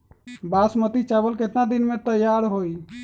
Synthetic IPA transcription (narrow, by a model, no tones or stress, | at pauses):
baːsmət̪it͡ʃabəlket̪nad̪inmẽt̪əjaɾɦoi